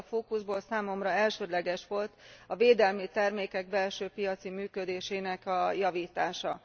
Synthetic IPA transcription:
foːkuzboːlsaːmo̞mrɒɛlʃøːd̪lɛɡɛʃʋo̞lt̪ɒveːd̪ɛlmit̪ɛrmeːkɛɡ̚bɛlʃøːpijɒt̪simyːkø̞d̪eːʃeːnɛkɒjɒviːt̪aːʃɒ

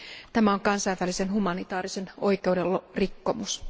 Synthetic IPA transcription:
t̪æmæoŋkɑnsɑijʋælisenhumɑnit̪ɑːrise̞no̞ike̞ude̞lorikːomus

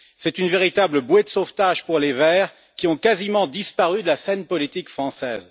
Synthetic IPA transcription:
sɛt̪ynveʁit̪abləbwɛd̪əsoft̪aʒpuʁlevɛːʁ | kʲiɔ̃kazimɑ̃d̪ispaʁyd̪əlasɛnpɔlit̪ikfχɑ̃sɛ̰ːz

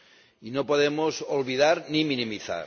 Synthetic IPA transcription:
inopoðemosolβiðaɾnimĩnĩmiθa̰ɾ

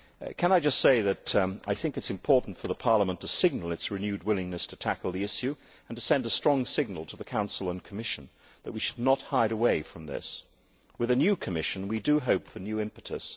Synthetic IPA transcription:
kʰɨ̃ñaɪd͡ʒʌstseɪðɨɾa̰ɪθɪ̃ŋkɨtsɨ̃mpʰɔɹʔn̩tfə˞ðəpʰɑɹləmə̃ntʰɨsɪɡ̚nl̩ˠɨtsɹɨnjʉd̚wɪlˠɪ̃ŋnɨstʰɨtʰækl̩ˠðiɪʃjʉ | ə̃n̩tʰɨsɛ̃ndəstɹ̥ɔ̃ŋsɪɡ̚nl̩ˠtʰəðəkʰãʊ̃nsl̩ˠə̃nkʰəmɪʃɨ̃n̩ | ðət̚wiʃɨdⁿnət̚haɪɾəweɪfɹʌ̃mðɪ̰s | wɨðɨnjʉkʰɨmɪʃɨ̃n̩widɨɦoʊpfə˞njʉɪ̃mpɨɾɨ̰s

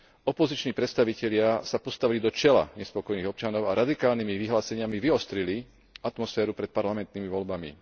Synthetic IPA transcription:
ɔpɔzit͡ʃniːpɾɛt̪st̪aʋicɛʎɪasapɔst̪aʋilid̪ɔt͡ʃɛla̰ɲɛspɔkɔjniːɣɔpt͡ʃanɔʊaɾad̪ikaːlnimiʋiɦlaːsɛɲɪamiʋiɔst̪ɾili | at̪mɔsfɛːɾupɾɛt̪̚paɾlamɛnt̪niːmiʋɔʎbamḭ

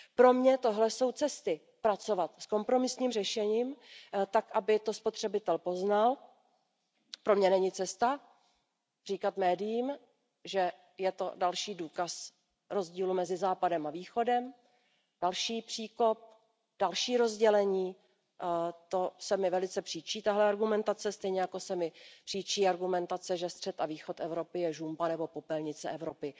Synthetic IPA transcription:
pɾo̞mɲɛt̪o̞ɦlɛso̞wt͡sɛst̪ɪ | pɾat͡so̞vat̪sko̞mpɾomɪsɲiːmrɛʃɛɲiːmt̪akʔabɪt̪o̞spo̞t̪r̝̥ɛbɪt̪ɛlpo̞znal | pɾo̞mɲɛnɛɲɪt͡sɛst̪a | r̝iːkat̪mɛːdɪjiːm | ʒɛ | jɛt̪o̞dalʃiːduːkas | ɾo̞zɟiːlumɛzɪzaːpadɛmaviːxo̞dɛm | d̥alʃiːpr̝̥iːko̞p̚ | d̥alʃiːɾo̞zɟɛlɛɲiː | t̪o̞sɛmɪvɛlɪt͡sɛpr̥iːt͡ʃiːt̪aɦlɛaɾɡumɛnt̪at͡sɛst̪ɛjɲɛjakosɛmɪpr̥iːt͡ʃiːaɾɡumɛnt̪at͡sɛʒɛst̪r̝̥ɛt̪aviːxo̞t̪ɛvɾo̞pɪjɛʒumbanɛbo̞po̞pɛlɲɪt͡sɛʔɛvɾo̞pɪ

